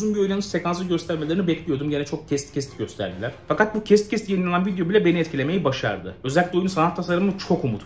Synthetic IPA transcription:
zunbio̞jnanɯsekʰansɯɟø̞st̪ʰæɾme̞lʲeɾinibɛclʲijo̞d̪umɟenɛt͡ʃʰo̞k̚cʰɛst̪i̥cʰɛst̪ʰʲiɟø̞st̪ʰæ̰ɾd̪ilʲæɾ̥fakat̪̚bucʰɛst̪i̥cʰɛst̪ijeninlˠanvid̪jo̞bilʲɛbe̞niɛt̪̚cʰilʲeme̞jibaʃa̰ɾd̪ɯøzɛlʲicʲlʲɛo̞j̪usanat̪ʰːas̬aɾɯmɯt͡ʃʰo̞kumut̪

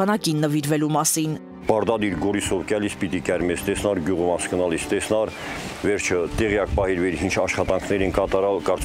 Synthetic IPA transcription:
ɑnɑkinːəviɾvɛlumɑsin | pɑɾt̪ɑd̪iɾɡɔɾisɔvkjɑlisʰpit̪ikɛɾmɛzt̪ɛsnɑɾɡjuʁumɑnskənɑlist̪ɛsnɑɾ | vɛɾt͡ʃʰət̪ɛʁjɑkpɑhɛɾvɛɾɦint͡ʃʰɑʃχɑt̪ɑŋkʰnɛɾɛnkɑt̪ɑɾɑlkɑɾ

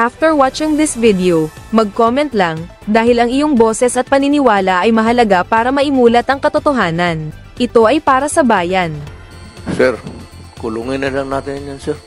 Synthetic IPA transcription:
ʔaft̪ɛɹwat͡ʃɪŋd̪ɪsvɪd̪ɛomɐɡ̚koːmɛnt̪lɐŋ | d̪aːhɪlɐŋɪjoŋbo̞ːsɛsɐt̪̚pɐnɪnɪwaːlɐʔɐjmɐɦɐlɐɡapaːɾɐmɐʔɪmuːlɐt̪ɐŋkɐt̪ot̪oɦaːnɐn | ʔɪt̪o̞ʔɐjpaːɾɐsɐbaːjɐn | sɛɾ | kʊluŋɪnɐlɐŋnaːt̪ɪjansɛɾ

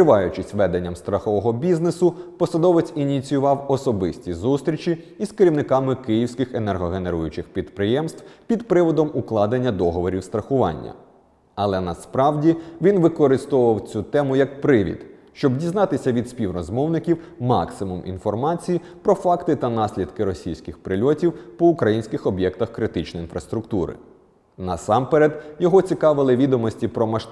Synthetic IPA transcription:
ɪʋɑjʊt͡ʃɪsʲʋɛd̪enʲːɐmst̪ɾɐxɔʋɔɦɔbʲiznesʊpɔsɐd̪ɔʋet͡sʲinʲit͡sʲijʊʋɑwɔsɔbɪsʲtʲizust̪ɾʲit͡ʃʲiːzkeɾʲiwnɪkɑmɪkɪjiwsʲkɪxenɛrɦɔɦeneɾujʊt͡ʃɪxpʲid̪pɾɪjɛmst̪w̥pʲid̪pɾɪʋɔd̪ɔmʊklˠɑd̪enʲːɐd̪ɔɦɔʋɔɾʲiwst̪ɾɐxʊʋɑ̰nʲːɐ̰ | ɐlˠɛnɐspɾɑwdʲiʋʲinʋɪkɔɾɪst̪ɔʊʋɐwt͡sʲut̪ɛmʊjɐk̚pɾɪʋʲḭd̪̥ʃt͡ʃɔbdʲiznɑt̪ɪsʲɐʋʲid̪sʲpʲiwɾɔzmɔwnɪkʲiw | mɑ̰ksɪmʊmḭnfɔrmɑt͡sʲiji | pɾɔfɑkt̪ɪt̪ɐnɑsʲlʲid̪kɪɾɔsʲijsʲkɪxpɾɪlʲɔtʲiwpɔʊkɾɐjinʲsʲkɪxɔbjɛkt̪ɐxkɾɪt̪ɪt͡ʃnɔjinfɾɐst̪ɾʊkt̪uɾɪ̰ | nɐsɑmpeɾɛd̪jɔɦɔt͡sʲikɑʋɪlˠɪʋʲid̪ɔmɔsʲtʲipɾɔmɐʃ

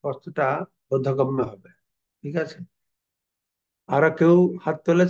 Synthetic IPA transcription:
kɔst̪ʰuʈa | bɔd̪ʱɔkɔmːɔɦɔbe | ʈʰikat͡ʃʰe̥ | aɾakewhat̪̚ːole

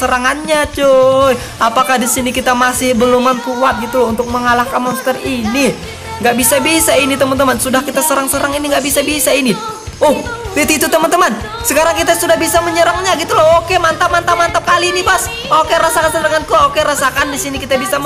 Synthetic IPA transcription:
səɾaŋanɲat͡ʃoj | apakahdisinikit̪amasɪhbəlomanpuwat̪̚ɡit̪uːnt̪ʊk̚məŋalahkanmɔnt̪ərini | ŋɡaʔbisabisainit̪əmant̪əmansudahkit̪asəɾaŋsəɾaŋiniŋɡaʔbisabisaini | oht̪it̪it̪ut̪əmant̪əman | səkaɾaŋkit̪asudahbisaməɲəɾaŋɲaɡit̪ulohokemant̪ap̚mant̪apmant̪ap̚kalinibas | okeɾasakansəɾaŋankuokeɾasakandisinikit̪abisa

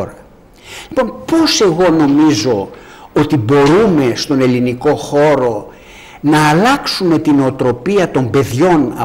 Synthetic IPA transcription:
ɾɐ | lipo̞mpo̞se̞ɣo̞no̞mizo̞ | ot̪ibo̞ɾume̞st̪o̞ne̞liniko̞xo̞ɾo̞ | nɐːlɐksume̞t̪ino̞ot̪ɾo̞piɐt̪o̞mbe̞ðʝo̞nɐ

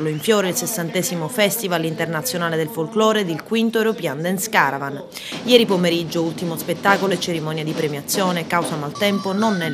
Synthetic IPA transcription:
loiɱfjoːɾeilsesːant̪ɛːzimofɛst̪ivalint̪ernat̪sːjonaːled̪elfolklɔːɾed̪ilkwint̪oeɾopjand̪ɛnskaːɾavan | jɛːɾipomeɾid͡ʒːoult̪imospet̪ːaːkoloet͡ʃːeɾimɔnjad̪ipɾemjat̪sːjoːnekawsamalt̪ɛmpononːɛ

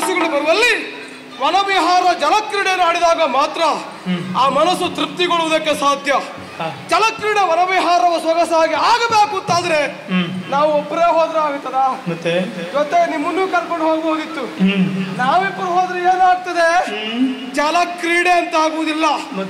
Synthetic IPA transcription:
siɡɐɭubɐɾɐʋɐlːi | ʋɐnɐʋiɦaːɾɐɐd͡ʒɐnɐkɾiːɽenaːɽid̪aːɡɐmaːt̪ɾɐ | aːmɐnɐsːut̪ɾip̚t̪iɡoɭuʋd̪ɐkːesaːd̪ʱjɐ | t͡ʃɐlɐkɾiːɽeʋɐnɐʋiɦaːɾɐʋɐsʋɐɡɐsɐaːɡiaːɡɐbeːkunt̪aːd̪ɐɾe̞ | naːʋuɔpːɐɾeːɦoːd̪ɾuaːɡut̪ːɐnaːt̪ːd͡ʒɔt̪ːenimːɐnːuːkɐɾkoɳɖuɦoːɡboːɡit̪ːunaːʋipːɐɾuɦoːd̪ɾueːnaːɡ̚t̪ɐd̪e̞ | d͡ʒɐlɐkɾiːɽeɐnt̪ɐaːɡuʋud̪ilːɐ

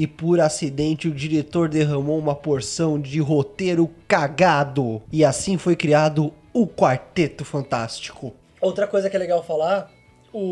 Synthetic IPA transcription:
ɪpʊɾasid̪ẽnt͡ʃɪʊd͡ʒiɾet̪oɾd̪eɦɐ̃mowũmɐpoɾsɐ̃w̃d͡ʒɪɦot̪eɾʊkaɡad̪ʊɪasĩfojkɾiad̪ʊ | ʊkwaɾt̪et̪ʊfɐ̃nt̪a̰st͡ʃi̥kʊ | owt̪ɾɐkojzɐkɪɛleɡawfalaɾ | ʊ

